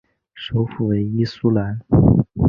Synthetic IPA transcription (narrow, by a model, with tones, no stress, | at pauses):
ʂo˧˥ʊfu˨˩we˧˥ɪi˥su˥la˧˥n